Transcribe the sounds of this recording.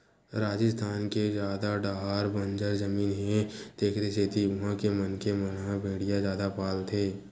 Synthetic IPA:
ɾaːd͡ʒɪst̪ʰaːnked͡ʒjaːd̪aɖaːɦaːɾbə̃nd͡ʒəɾzəmiːnɦɛ̃d̪̥eːkʰɾeseːt̪ʰiʊɦãkemənkemənɦãbʱeːɽijazaːd̪apaːlt̪ʰeː

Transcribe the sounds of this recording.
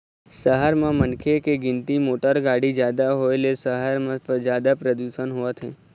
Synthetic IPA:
səɦəɾmãmənkʰekeɡɪ̃nt̪imoʈəɾɡaɽid͡ʒjad̪aɦoelesəɦəɾmãpd͡ʒjaːd̪apɾəd̪uʃənɦoʋat̪ʰe

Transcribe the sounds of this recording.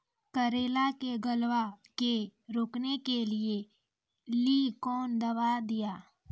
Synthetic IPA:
kəɾeːlakeɡəlwakeɾoːknekelie | liːkɔːnd̪ɐʋad̪ɪjaː

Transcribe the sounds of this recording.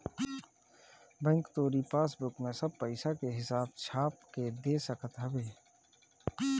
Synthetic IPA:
bɛ̃ŋkt̪oːɾipaːsbʊkmẽsəb̚pəɪsakeɦɪsaːb̚t͡ʃʰaːp̚ked̪eːsəkət̪ɦəbeː

